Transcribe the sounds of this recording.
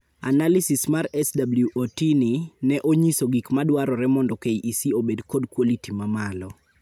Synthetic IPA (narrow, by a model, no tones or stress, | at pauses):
a̰nalisismaɾɛsdabljuʔotininɛʔoɲisoɡikmadwaɾɔɾɛmɔndɔkejʔisiobedkɔdkwolitimamalɔ